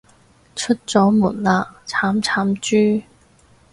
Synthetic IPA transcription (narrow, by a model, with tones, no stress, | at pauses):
ʈ͡ʂʰə˥t̚t͡sɔ˨˥mu˨˩nla˧˥t͡sʰa˨˧˥mt͡sʰa˨˥mt͡ɕyː˥